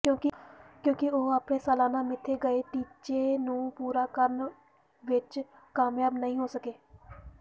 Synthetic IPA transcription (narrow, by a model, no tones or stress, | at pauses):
kjõːkɪkjõːkɪoːaːpnẽːsəːlaːnãːmɪt̪ʰːeːɡəeːʈiːt͡ʃeːnũːpuːɾaːkəɾən | ʋɪt͡ʃ | kaːmjaːbnəɦĩːɦoːsəkeː